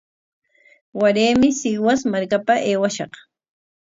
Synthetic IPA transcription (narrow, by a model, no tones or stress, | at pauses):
waɾeːmɪsɪwasmaɾkapaʔeːwaʃɑq